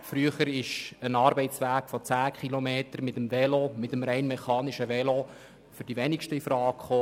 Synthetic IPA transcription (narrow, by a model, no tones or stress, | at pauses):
fɾyəχəɾɪʃənɑːɾbɛɪtt͡sʋæːɡ̥fɔt͡sæːkχilomeːtəɾmɪtəmvɛlomɪtəmɾɛɪnmɛχɑːnɪʃəʋɛlo | fʏɾd̥iʋɛnɪkʃtəifɾɑːkχoː